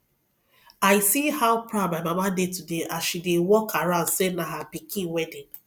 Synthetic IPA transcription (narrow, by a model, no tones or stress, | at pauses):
aɪsihaʊpɹaʊd̚mamamadetudeʔasʃidewɔkʰaɹãʊ̃ndsenaɦapikʰĩnwɛdĩn